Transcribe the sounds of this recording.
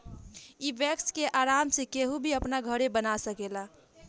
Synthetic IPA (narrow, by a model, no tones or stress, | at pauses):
ibɛkskeʔaɾamsekeɦũbʱiəpnaɡʱəɾebənasəkela